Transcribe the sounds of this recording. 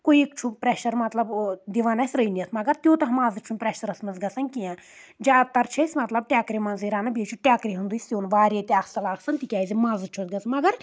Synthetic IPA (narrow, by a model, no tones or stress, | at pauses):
koiekt͡ʃʰupɾeʃɐɾmɐt̪lɐbd̪iʋaːnɐsʲɾəjnijɐt̪mɐɡɐɾt̪joːt̪ɐɦɐmaːzɨt͡ʃʰunʲpɾɛʃɐɾɐsmɐnzɡɐsɐnkijãː | d͡ʒʲaːt̪ːɐɾt͡ʃʰɐsʲmɐt̪lɐb̚ʈʲjaːkɾʲimɐnziɾaːnɐbit͡ʃʰuʈʲjaːkɾiɦund̪usʲjoːnʋaːɾiet̪ʲiaːksɐlaːɡsɐnt̪ikʲaːjzimãːzɨt͡ʃʰusɡɐsmɐɡɐɾ